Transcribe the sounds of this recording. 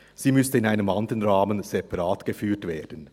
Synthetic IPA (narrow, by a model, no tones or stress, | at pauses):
z̥iːmʏstəɪnaɪnəmɑnd̪əʁənʁɑːmənz̥epɑʁɑːtɡ̥əfyːtveːɐd̥ən̩